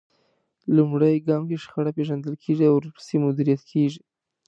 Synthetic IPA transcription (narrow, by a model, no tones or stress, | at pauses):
lumɽajɡɑmkeʃxaɽapeʒand̪əlkʰeʐiawɾpə̥semʊd̪iɾijat̪kʰeʒi